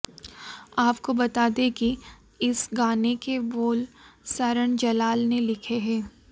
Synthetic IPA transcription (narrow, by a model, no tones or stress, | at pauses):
aːpkobɐt̪aːd̪eki | ɪsɡaːnekeboːlsɐɾəɳ̃d͡ʒɐlaːlnelɪkʰeɦɛ̃ː